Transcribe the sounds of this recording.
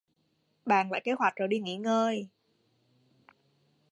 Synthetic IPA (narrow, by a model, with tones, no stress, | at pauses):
ɓa̰ː˧˨nla̰ː˧˨jke˨˦˥hwa˨˩k̚zo˨˧˩ɗi˧˩ŋi˧˩˦ŋəː˧j